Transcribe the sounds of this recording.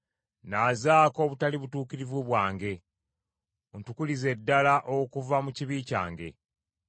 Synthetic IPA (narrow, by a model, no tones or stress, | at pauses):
nazaːko̞ːβutaliβutuːkiɾivuβwaːŋɡe̞ | ontukulize̞dːalaʔokuvamuciβiːca̰ːŋɡe̞̰